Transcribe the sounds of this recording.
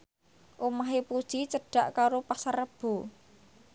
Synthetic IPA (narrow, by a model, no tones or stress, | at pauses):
ʔomaɦepud̥ʒ̥it͡ʃəɖ̥a̤ʔkaɾopasarəb̥o̤